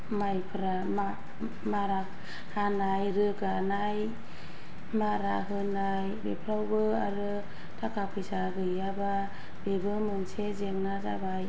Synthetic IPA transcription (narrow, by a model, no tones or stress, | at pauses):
majpʰɯɾa | ma | maɾak̚ | hanajɾɯɡanaj | maɾa̰ɦɯnajbepʰɾawbɯaɾɯ | tʰakʰapʰɯjsaɡɯjaba | b̥ebɯmɯnsʰezeŋnaza̰baj